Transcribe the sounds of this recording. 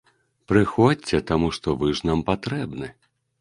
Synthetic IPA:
pɾɨxɔt͡sʲːɛt̪amuʂt̪ɔvɨʐnampat̪ɾɛbnɨ

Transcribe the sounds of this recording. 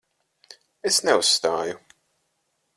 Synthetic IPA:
ɛsnɛwʊst̪aːjʊ

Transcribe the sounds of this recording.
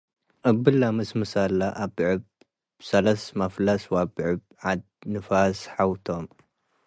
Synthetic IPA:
ʔɨbːɨlːamɨsmɨsalːaʔabʕɨb̚ | sɐlɐsmɐflɐswabʕɨbʕad̪nɨfasħawt̪ʰom

